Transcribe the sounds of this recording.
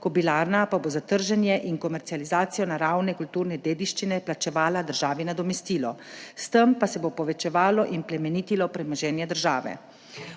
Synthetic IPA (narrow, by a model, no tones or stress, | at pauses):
kɔbilaɾnapaboːzat̪əɾʒɛnjɛʔiŋkɔmɛɾt̪sializaːt̪sijɔnaɾawnɛkult̪uːɾnɛd̪eːd̪iʃt͡ʃinɛplat͡ʃɛʋaːlad̪əɾʒaːʋinad̪ɔmɛst̪iːlɔst̪əmpasɛbopɔʋɛt͡ʃɛʋaːlɔʔimplɛmɛniːt̪ilɔpɾɛmɔʒɛːnjɛd̪əɾʒaːʋɛ̰